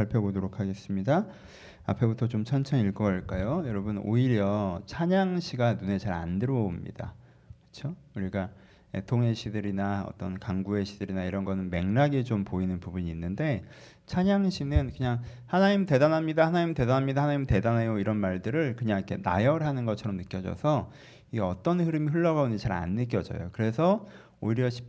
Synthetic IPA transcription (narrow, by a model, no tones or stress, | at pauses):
aɭpʰjoɡonoɾokʰaɡe̞s͈ɯmɲida | a̰pʰe̞butʰʌt͡ɕomt͡ɕʰʌnt͡ɕʰʌɲiɭkʌɡʌɭk͈ajojʌɾʌbɯno̰iɾjʌt͡ɕʰaɲaŋɕʰiɡanune̞t͡ɕaɾa̰ndɯɾʌomɲḭda̰ | kɯ̥t͡ɕʰo | uɾiɡa | ḛtʰoŋe̞ɕʰidɯɾinaʌ̰t͈ʌnkaŋɡue̞ɕʰidɯɾinaiɾʌnɡʌnɯnme̞ŋnaɡet͡ɕompoinɯnpubuɲiːnːɯnde̞ | t͡ɕʰaɲaŋɕʰinɯnkɯɲaŋhanaɲimte̞danɦamɲidahanaɲimte̞danamɲidaɦhanaɲimte̞danajoiɾʌnmaɭdɯɾɯɭkɯɲaŋikʰe̞na̰jʌɯɭɦanɯnɡʌt͡ɕʰʌɾʌmnɯk͈jʌd͡ʑʌ̰sʰʌ | ieʌt͈ʌnhɯɾɯmiɸɯɭːʌɡaond͡ʑit͡ɕaɾa̰nːɯk͈jʌd͡ʑʌ̰jo̰kɯɾe̞sʰʌ | oiɾjʌɕʰi̥p